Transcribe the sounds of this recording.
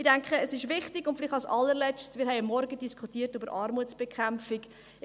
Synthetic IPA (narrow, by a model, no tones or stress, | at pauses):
ɪdæŋkχəːsɪʃʋɪχtɪɡʊntfɪlɪχtɑlsɑlːəɾlɛt͡ʃtsmɪːɾɦɛɪəmːɔɾɡədiskχutiːərtybəɾʔɑːɾmuət͡sb̥ɛkʰχæmfɪk